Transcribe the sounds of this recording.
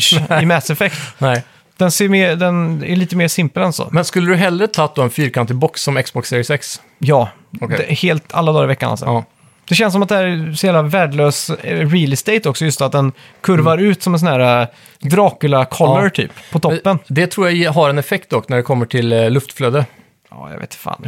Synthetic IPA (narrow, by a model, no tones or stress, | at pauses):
ɪmɛsɛfɛkt̪ɛ | d̪̥ɛnseːmeːd̪ɛnæ̰ɭiːt̪əmeːsɪmpəlɛnsɔ̰mɛnskɵlːəd̪ɵɦɛlːɾət̪ʰɑːt̪d̪oːɛnfyːɾkʰant̪ɪbɔksːɔmɛksbɔksɪːɾɪsɛks | jɑː | heːlt̪a̰lːad̪ɑːɾɪvɛkːana̰sɔ̰ | d̪̥ɛɕɛns̬ɔmat̪d̪ɛhæːɾsheːlavæːɖɭøːsɾiːlst̪eɪt̪ɔksɔjɵst̪at̪̚d̪ɛn | kʰɵɾvaɾʉ̟ːt̪sɔmɛns̬ɔnæːɾa | d̪ɾɑːkʉlakʰɔlːəɾt̪ʰy̰ːppʰɔt̪ʰɔpːənd̪ɛt̪ʰɾuːɾjaɦaɾɛnɛfɛk̚t̪̚d̪ɔkːnæɖɛkʰɔmːəʈʰɪllːɵft̪fløːd̪ə | ɑ̰ːja̰vḛːt̪fa̰ːn